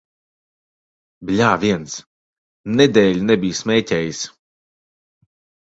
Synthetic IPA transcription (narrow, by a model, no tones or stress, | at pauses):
blʲaːvʲiɛns | ned̪ɛːlʲnɛbʲijsmʲɛːtʲɛːjis